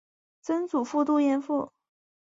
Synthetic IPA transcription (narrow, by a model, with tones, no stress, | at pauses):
t͡sə˥nt͡su˨˩fu˥˧t̪u˥˧jɛ˥˧nfu˥˩